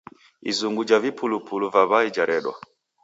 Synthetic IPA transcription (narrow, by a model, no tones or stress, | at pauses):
ḭzuŋɡud͡ʒavipʰulupuluvaβaid͡ʒaɾʔɛɗwa̰